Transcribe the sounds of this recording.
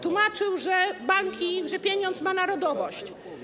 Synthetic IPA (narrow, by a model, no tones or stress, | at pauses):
t̪wumat͡ʂɘwʐɛbaŋkʲiʐɛpʲjeɲɔnt̪smanaɾɔd̪ɔvɔɕt͡ɕ